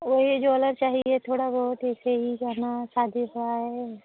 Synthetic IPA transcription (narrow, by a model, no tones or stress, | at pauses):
ʋoɦid͡ʒoələɾt͡ʃaːɦiet̪ʰoːɽabɔːʊt̪ɛːseɦid͡ʒaːnasaːd̪ʱiɦʊaɦɛ